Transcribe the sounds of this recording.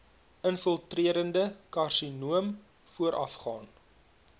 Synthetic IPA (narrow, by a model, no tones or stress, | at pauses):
ənfəlˠtriəɾəndəkɐrsinuəm | fuəɾʔɐ̰fχɑːn